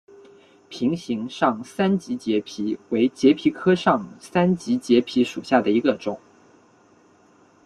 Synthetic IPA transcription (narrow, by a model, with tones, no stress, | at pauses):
pʰi˧˥ŋɕi˧˥ŋʂɑ˥˩ŋsa˥nt͡ɕi˧˥t͡ɕjɛ˧˥pʰi˧˥we˧˥ɪt͡ɕjɛ˧˥pʰi˧˥kʰɤ˥ʂɑ˥˩ŋsa˥nt͡ɕi˧˥t͡ɕjɛ˧˥pʰi˧˥ʂṵ˨˩ɕja˥˩d̪ə˩i˧˥ɡə˧ʈ͡ʂʊ˨˩˦